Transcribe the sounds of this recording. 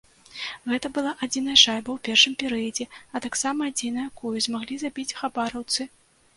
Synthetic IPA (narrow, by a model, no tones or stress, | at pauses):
ɣɛt̪ɐbɨlˠaʔad͡zʲin̪ɐjɐʂajbɐwpʲɛrʂɨmpʲɛɾɨjɐd͡zʲɛɐt̪aksamɐːd͡zʲinɐjakujuzmaɣlʲizabʲit͡sʲxabaɾɐwt̪sɨ